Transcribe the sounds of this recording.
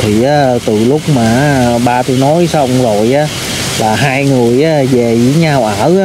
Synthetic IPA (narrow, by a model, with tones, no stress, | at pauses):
t̪ʰi˨˩ʔaː˨˦t̪ɨ˨˩lʊ˦˥k͡p̚maː˨˩ʔɓaː˧t̪u˨˧˦nɔ˨˦jsə˧wŋ͡mzo˨˩jʔaː˨˦ | laː˨˩ɦaː˧jŋɨ˨˩əjʔaː˨˦ve˨˩zi˧˦ɲa˧wʔəː˧˩˥a˧˦